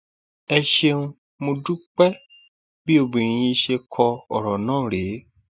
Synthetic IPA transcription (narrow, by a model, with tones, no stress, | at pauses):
ɛ˧ʃe˧nũ˧ | mõ˧du˦k͡pɛ˦ | bi˦o˧bĩ˨ɾ̃ĩ˨jĩ˧ʃe˧kʰɔ˧ɔ˨ɾɔ˨nãː˦˨ɾe˨˦